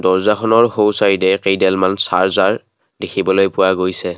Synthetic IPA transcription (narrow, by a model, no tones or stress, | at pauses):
dɔɹzaxʰɔnɔɹhowsaɹidɛkejdɛlmansa̰ɹzaɹ | dekʰibɔlojpʊwaɡojsɛ